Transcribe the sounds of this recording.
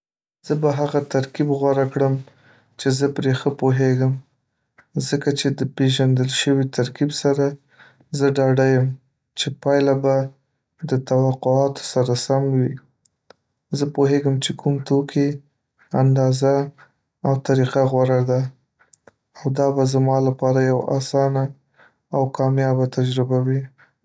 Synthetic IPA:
z̥əbaɦaɣat̪aɾkibɣwaɾakɽəm | t͡ʃezəpɾexəpoɦeɡəm | zəkat͡ʃed̪əpeʒand̪əlʃəwit̪aɾkibsaɾa | zəɖɑɖajəm | t͡ʃepɑjlaba | d̪ət̪awaqʊɑt̪o̥saɾasamwi | zəpoɦeɡəmt͡ʃekʰumt̪okʰe | and̪ɑzaː | wt̪aɾiqaɣwaɾad̪a | wd̪ɑbazamɑlapɑɾajawa̰sɑnaː | wkʰɑmjɑbat̪ad͡ʒɾɪbawi

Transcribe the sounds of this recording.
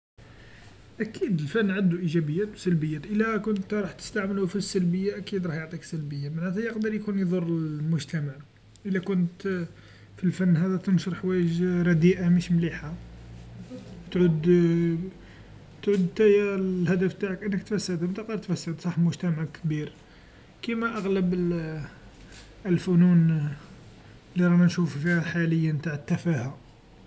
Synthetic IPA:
ʔækid̪əlfænːʕand̪uʔiʒæbəjːæt̪wsælbəjːæt̪ʔəlːækʊnt̪ɾˤɑħt̪ə̥st̪aʕməlufisːælbəjːaʔækid̪ɾˤɑħjoʕt̪ˤiksælbəjːamaʕnæt̪æjəqd̪əɾˤjkunjd̪ˤʊrˤːəmʊʒt̪æmaʕ | ʔəlːækʊnt̪ | filfænːɦæd̪æt̪ənʃəɾħwæjəʒɾˤɑd̪iʔamiʃmliħa | t̪ʕud̪ | t̪ʕud̪t̪æjælhæd̪əft̪aʕəkʔənːəkt̪fæsːəd̪əmt̪ɑqɑɾt̪fæsːəd̪sˤɑħmʊʒt̪æmaʕkbiɾ | kimæʔaɣləb | əlfʊnun | liɾˤɑnænʃuffihæħaləjːənt̪aʕət̪ːæfæha

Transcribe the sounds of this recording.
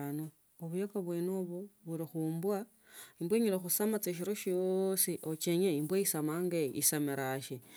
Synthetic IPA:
no | oβujakaβwenoβoβuɾixuːmbwa | imbweɲiɾexusamat͡seʃ̬iɾoʃjosiʔot͡ʃeɲeimbwaisamaŋɡeḭsameɾaʃi

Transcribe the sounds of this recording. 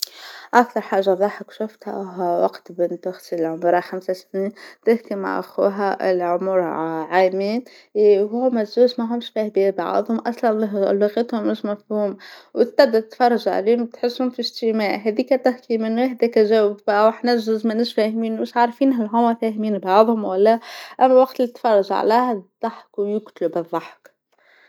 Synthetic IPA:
ʔæk̚t̪ɑɾˤħaːʒːaðˤɑːħəkʃʊft̪hæ̰ɦwɑqt̪bɪnt̪ʊxt̪ilʕʊmuɾˤaxamsasniːnt̪ɪhkima̰ʕʔa̰xṵːɦæʔɪ̰lʕʊmʊɾʕamiːn | ɦumæzuːzmæɦʊmʃfæhbiːbɑ̰ʕðˤhʊmʔɑsˤlɑnllɑɣit̪hʊmːɪʃmæfhuːmwt̪ːæd̪ːat̪fɑrˤːɑʒaʕ̰liːʊmt̪ħɪsːhʊmfiʒt̪imaːʕɦɛd̪iːkæt̪ɪhkimɪnwaħd̪ækæʒæwbwaħnæʒʊzmænɪʃfæhmiːnwmɪʃʕɑɾˤfiːnɦælɦʊmæfæhmiːnbɑʕðˤhʊmwælːæʔæmːæwɑqt̪lit̪ːfɑrˤːɑʒʕ̰læːhd̪ˤːɑħkwjʊɡt̪lubɨðˤːɑħk

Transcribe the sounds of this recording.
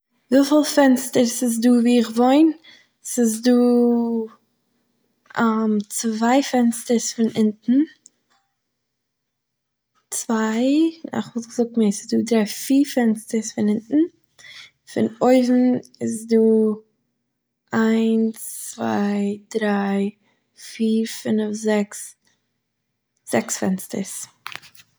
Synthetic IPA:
viːfɪlˠfɛnstəɾsɪs̬duːviːɪχvoɪn | sɪs̬duː | amt͡svaɪfɛnstəɾsfɪnɪntn̩ | t͡svaɪa̰ɪχvɪlˠɡzʊk̚tmɪsɪ̥sduːdɾaɪfiːɾfɛnstəɾsfɪnɪntn̩ | fɪ̰noɪvm̩ɪsduː | ʔaɪnst͡sva̰ɪdɾaɪ | fiːɾfɪnfzɛks | z̥ɛksfɛ̰nstəɾs

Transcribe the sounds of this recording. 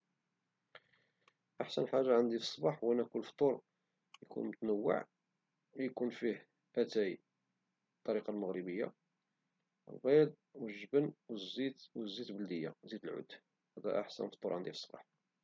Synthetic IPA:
ʔaħsənħaʒːaʕənd̪ifə̥sˤːbɑħwʔænːækʊlːft̪ˤoɾˤ | jkṵnmʊt̪nəwːə̰ʕ | jkunfih | ʔæt̪æj | bt̪ˤːɑɾiqɑlməɣɾibəjːa̰ | lbed̪̚ˤwəʒːəbənwzːit̪wəzːit̪bəld̪əjːa̰zid̪əlʕʊ̰d̪ | hæd̪æ̰ʔaħsə̰nft̪ˤoɾˤʕand̪ifsˤːbɑ̰ħ

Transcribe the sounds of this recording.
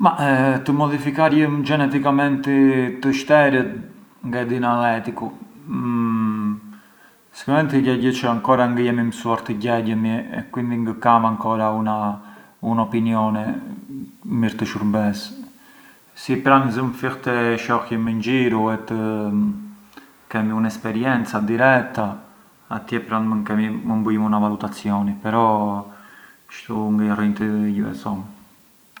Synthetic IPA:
mat̪əmɔðifikaɾjəmd͡ʒɛnɛt̪ikamɛnt̪it̪əʃt̪ɛɾət̪̚ŋɡad̪inalɛt̪iku | si̥kamɛnt̪iɟɛɟət͡ʃəaŋkɔɾaŋɡəjɛmiməsuaɾt̪əɟɛɟəmiɛ̰kwind̪iŋɡəkamaŋkɔɾauna | unɔpinjɔnɛ | miɾt̪əʃuɾmbɛs | sipɾanzəmfixt̪ɛʃɔhjəmɛɲd͡ʒiɾuɛt̪ə | kɛmiunɛspɛɾjɛnt͡sad̪iɾɛk̚t̪a | at̪jɛpɾanmənkɛmiməmbujimunavalut̪at͡sjɔnipɛɾɔ | ʃt̪uŋɡəarint̪əɟuɛ̰sɔm

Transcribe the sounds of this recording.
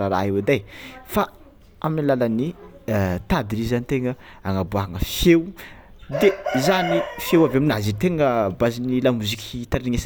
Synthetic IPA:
aɾa̰ɦewad̪ajfa | aminilaləni | t̪ad̪ilizanit̪eŋəaŋabuaɦaŋəfew | d̪ezanifjewavaminazit̪eŋəbazinilamuzikʲʰt̪aɾiŋes

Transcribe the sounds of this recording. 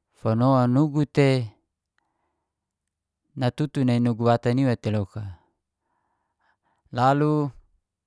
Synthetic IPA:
fonoanuɡut̪e | nat̪ut̪unainuɡuwat̪aniwat̪eloka | lalu

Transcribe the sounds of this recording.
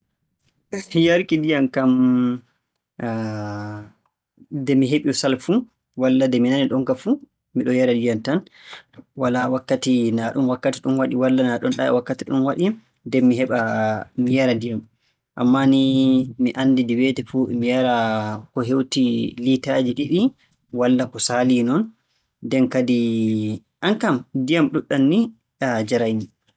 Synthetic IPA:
jaɾkidijamkam | dɛmiɦeɓiɔsalfu | walːadɛminaniɗɔŋkafu | miɗɔjaɾadijantan | walawakːatinaɗumwakːatiɗumwaɗiwalːanaɗɔnɗa̰ɛ̰wakːatiɗumwaɗi | dɛmːiɦɛɓamijaɾadijam | ʔa̰mːanimiʔandidiwɛtɛfumijaɾakɔɦewtilitad͡ʒiɗiɗi | walːakɔsalinɔn | dɛnkadi | ʔaŋkamdijamɗuɗːanːi | ad͡ʒaɾajni

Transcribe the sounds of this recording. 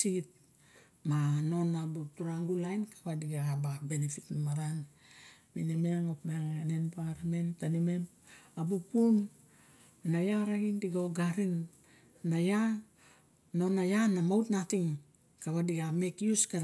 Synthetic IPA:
sit̚ | mano̞nabutuɾaŋɡulajnkʰḁβadiɡaababenefitnamaɾan | minemeaŋopmeaŋenenpaɾame̞ntanime̞m | abupunː | ajaɾaɡindiɡaoɡaɾinː | aja | no̞najanamawtnatiŋ | kaβadiɡame̞kiuska

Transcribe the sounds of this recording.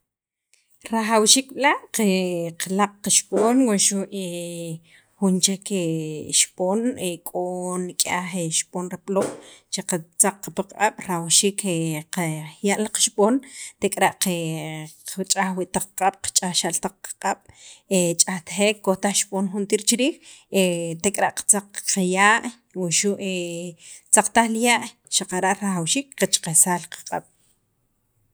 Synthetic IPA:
ɾaχawʃiːk̚ɓilaʔqeqalaq͡χqaʃɓʼoːnwaʃuʔe | xunt͡ʃekeʃpʼoːnekʼonikʼaxeʃpʼoːnɾeploʔt͡ʃeqat͡saq͡χqapaqqʼaɓ̥ɾawʃiːkʰeqajaʔlaqḁʃɓʼoːnt̪ekʼɾaʔqe | t͡ʃʼaxwiʔt̪aq͡χqʼaɓ̥qḁt͡ʃʼaʃalt̪aq͡χqḁqʼaɓ̥et͡ʃʼaxt̪χeːkːot̪aχʃɓʼoːnxunt̪iːɾt͡ʃiɾiːxet̪ekʼɾaʔqḁt͡saq͡χqajaːʔ | wuʃuʔe | t͡saq͡χt̪aχljaʔ | ʃaqaɾaʔɾaxawʃiːkqat͡ʃqesaːlqḁqʼa̰ɓ̥

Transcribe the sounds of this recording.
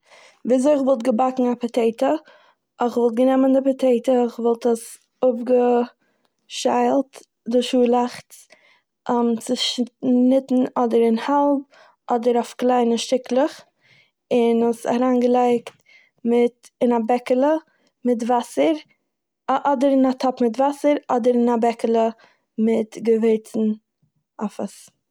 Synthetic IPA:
viːzoɪχvɔlˠtɡəbakŋ̩apatʰeɪtə | ɪχvɔlˠt̚ɡənɛməndɪpatʰeɪtəχvɔlˠtəs | ʊpɡə | ʃaɪlˠt | dɪʃuːlˠaχt | ɔmt͡sɪʃnɪtn̩ɔdəɾɪnhalˠb̚ | ɔdəɾafklˠaɪnəʃtɪklˠəχ | ɪnəsa̰ɾaːnɡəlˠaɪkt | mɪt | ɪnabɛkəlˠə | mɪtvasəɾ | ʔɔdəɾɪnatʰɔpmɪtvasəɾɔdəɾɪnabɛkəlˠə | mɪtɡəveɪt͡sn̩ | afəs

